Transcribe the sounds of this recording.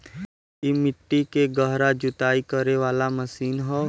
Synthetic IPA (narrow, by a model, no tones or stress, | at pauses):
imɪʈːikeɡəɦɾad͡ʒʊt̪aːikɐɾeʋaːlamɐsiːnɦɛ